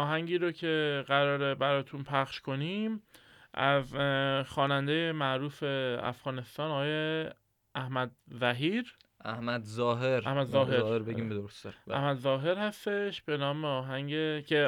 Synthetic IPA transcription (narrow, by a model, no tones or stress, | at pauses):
ʔɒːɦæɲɟiːɾocʰe̞ɣæɾɒːɾebæɾɒːt̪ʰunpʰæχʃkʰo̞niːm | ʔæ̰zxɒːnænd̪ejemæʔɾuːfe̞æ̰fɣɒːne̞st̪ɒːnɒːɒːje | æhmæd̪zæɦiːɾ | ʔæhmæd̪zɒːɦeɾæhmæd̪zɒːɦeɾeɾbeiːmbed̪oɾosd̪æhmæd̪zɒːɦe̞ɾhæst̪e̞ʃb̥e̞nɒːmeɒːɦæɲɟecʰe